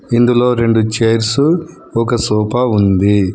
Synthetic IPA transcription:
ind̪ulo̞ːɾe̞ɳɖut͡ʃejɾsu | ɔkɐsuːpɐund̪i

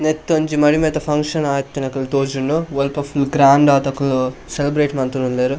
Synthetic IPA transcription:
net̪ːoɲt͡ʃimɐɽimeːt̪ɐpʰɐŋkʂɐnaːjɐt̪ːinɐkɐlt̪oːd͡ʒunːuʋɔlpɐpʰulɡɾaːɳɖaːt̪ɐkːuluselibɾeːʈmɐnt̪ununleːɾu

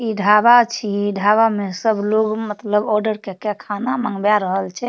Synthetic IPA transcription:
iɖʱabat͡ʃʰiɖʱaβamesəbloɡmət̪ləbɔɾɖəɾkekekʰanaməŋɡbjaɾəɦəlt͡ʃʰɛ

